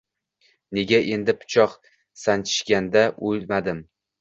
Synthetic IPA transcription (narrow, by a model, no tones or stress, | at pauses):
ne̞ɡʲaʔe̞nd̪ɪpʰʊ̥t͡ʃʰɒq | sant͡ʃʰɪ̥ʃkʲand̪aʔolmad̪ɪm